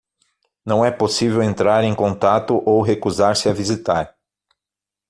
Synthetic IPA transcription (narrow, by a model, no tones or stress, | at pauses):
nɐ̃w̃ɛposivewẽnt̪ɾaɾẽj̃kõnt̪at̪ʊʔowɦekuzaɾsɪavizit̪aɾ